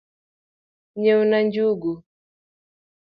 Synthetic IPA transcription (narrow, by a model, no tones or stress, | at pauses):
ɲɛunaɲd͡ʒuɡu